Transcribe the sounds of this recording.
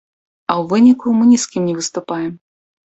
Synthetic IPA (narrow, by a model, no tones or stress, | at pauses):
ɐwvɨnʲikumɨnʲiskʲimnʲɛvɨst̪upajɛm